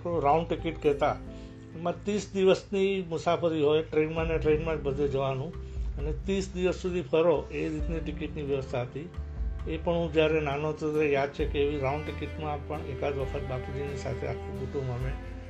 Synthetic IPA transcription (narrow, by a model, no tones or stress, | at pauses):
kõɾaũɳɖʈikiʈkɛɦt̪a | emãt̪isd̪iʋəsnimʊsafʰəɾiɦojʈɾenmãneʈɾenmãd͡ʒbəd̪ʱed͡ʒəʋanũənet̪isd̪iʋəsːud̪ʱipʰəɾoʔeɾit̪niʈɪkiʈniʋjəʋəst̪ʰaɦət̪iepəɳɦũd͡ʒjaɾenanot̪ət̪ɾejad̪̚t͡ʃʰekeːʋiɾaũɳɖʈikiʈmãpəɳekad͡ʒʋəkʰət̪bakid͡ʒinisa̰t̪ʰea̰kʰũkuʈũməmẽ